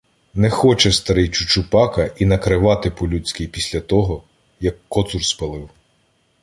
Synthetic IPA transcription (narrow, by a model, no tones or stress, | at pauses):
nɛxɔt͡ʃɛst̪ɐɾɪjt͡ʃʊt͡ʃʊpɑkɐʔinɐkɾɪʋɑt̪ɪpɔlʲut͡sʲkʲijpʲisʲlʲɐt̪ɔɦɔ | jɐkːɔt̪surspɐlˠɪw